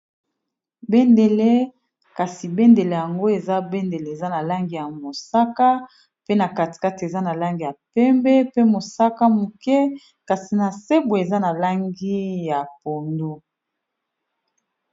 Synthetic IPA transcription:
be˦nde˨le˦ | ka˨si˨be˦nde˨le˨ja˨ŋɡo˦e˨za˦be˦nde˨le˨e˨za˦na˨la˦ŋɡi˨ja˨mo˨sa˦ka˦ | pe˦na˨ka˨ti̥˨ka˦ti˨e˨za˦na˨la˦ŋɡi˨ja˨pɛ˦mbɛ˦pe˦mo˨sa˦ka˦mu˨kɛ˦ | ka˨si˨na˨se˦bo˨e˨za˦na˨la˦ŋɡi˦ja˨po˨ndo˦

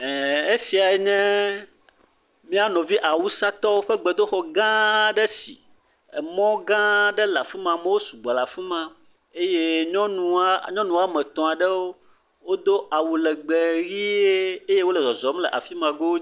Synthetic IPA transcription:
ɛ˨e˦si˨a˨˦ɲɛ̃˦ | mĩ˦a˦nɔ̃˨vi˦ʔa˨wu˦sa˦t̪ɔ˦wo˦ɸɛ˦ɡ͡bɛ˨d̪o˦xɔ˨ɡã˦ɖɛ˦sḭ˨ | mɔ̃˦ɡã˦ɖɛ˦la˨fi˦mã˨mɛ̃˦wo˦su˨ɡ͡ba˨la˨fi˦mã˨ | e˦je˦ɲɔ̃˦nũ˨a˦ɲɔ̃˦nũ˨a˦mɛ̃˨t̪ɔ̃˨a˨ɖɛ˦wo˦ | wo˦d̪o˦ʔa˨wu˨lɛ˨ɡ͡be˨ɾi˦e˦e˦je˦wo˦lɛ˨zɔ˨zɔ˨˦mlɛ˨ʔa˨fi˦mã˨ɡo˦

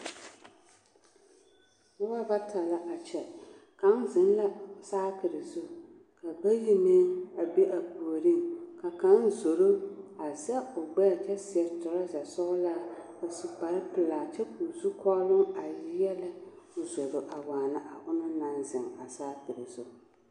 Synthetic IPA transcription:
ʊ˦wa˦ba˦tʰa˨la˦ʔa˨t͡ʃɛ˨ | ka˦nzɪ˨n˦la˦saː˦kɪ˨ɾɪ˨zʊ˦ | ka˨ba˦ji˦meː˦a˨be˦ʔa˨bu˨o˨ɾi˦˨ŋka˨ka˨˦n˦zo˨ɾo˦a˨zɛ˦ʊ˨ɡ͡bɛ˦˨tɛ˦sɪ˨ɛ˨tʊ˨ɾa˦za˨sʊ˦ʊ˦la˦ | a˨su˨k͡pa˨ɾpɪ˨laː˨t͡ʃɛ˦ku˨zu˦kʰɔ˦lʊ˦ŋa˨jɪ˦jɛ˦la˦ | ʊ˨zo˨lo˦ʔa˨waː˨na˦ʔa˨ʔʊ˦nʊ˦na˦nzɪ˨ŋa˨saː˦kɨ˨ɾɪ˨zʊ˨

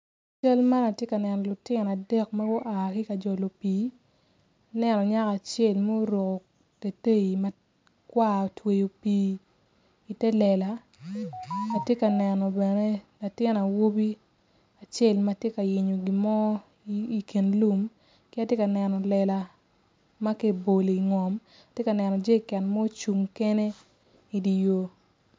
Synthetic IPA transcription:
t͡ʃa˦lma˦na˨tje˦ka˨nɛ˨nɔ˨lʊ˨tɪ˦na˨dɛ˦kma˦ɡo˦ʔa˨kɪ˦ka˨d͡ʒɔ˨lo˨piː˨ | a˨nɛ˨nɔ˨ɲa˦ka˨t͡ʃe˦˨lmɛ˦o˦ɾo˨ko˨ | te˨te˦i˨mɐ˦ | kwa˦o˨twe˨jo˨piː˨˦ | i˨tɛ˦lɛ˨la˨ | a˨tje˦ka˨nɛ˨nɔ˨bɛ˨ne˦la˨tɪ˦na˨wo˦bi˦ | a˨t͡ʃe˦˨lma˨tje˦ka˨jɪ˨ɲo˨ɡi˨mɔ˦ | i˨ki˨nlu˦m | kɪ˦a˦tje˦ka˨nɛ˨nɔ˨lɛ˨la˨ | ma˦ke˦bo˨le˨i˨ŋɔ˨m | a˨tje˦ka˨nɛ˨nɔ˨d͡ʒe˦˨kɛ˨nmo˦o˦t͡ʃu˨ŋke˦ne˦ | i˨di˨jo˨

